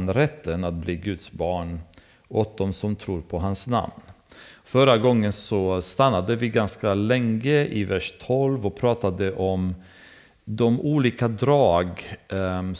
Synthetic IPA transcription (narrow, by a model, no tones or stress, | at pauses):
nɾɛt̪ʰːənat̪̚bliːɡɵt̪sbɑːɳ | ɔt̪̚d̪ɔmsɔmt̪ʰɾuːɾpʰɔɦansna̰mnfœɾaɡɔŋːənsɔst̪anːad̪əvɪɡanskalɛŋːəʔɪvæʂt̪ʰɔlvɔpʰɾɑːt̪ad̪əʔɔm | d̪ɔmʔuːliːkad̪ɾɑːɡ